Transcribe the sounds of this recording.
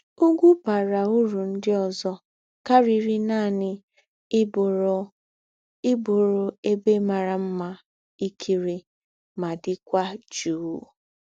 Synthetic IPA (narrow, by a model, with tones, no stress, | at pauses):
u˦ɡʷu˦pa˨ɾa˨u˦ɾu˨n̩˦dɪ˦ɔ˨zɔ˦ | ka˦ɾi˨ɾi˦na˦˨nɪ˦˨ | ɪ˦bʊ˨ɾʊ˨e˦be˦ma˨ɾa˨m̩˦ma˦ | i˦kʰi˦ɾi˨ | ma˨dɪ˦kʷa˦d͡ʒuː˦